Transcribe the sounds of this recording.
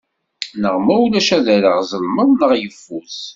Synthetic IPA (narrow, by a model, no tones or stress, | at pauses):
nəʁmæwulæʃæðæɾəʁzˤəlməðˤnəʁjəfːuθ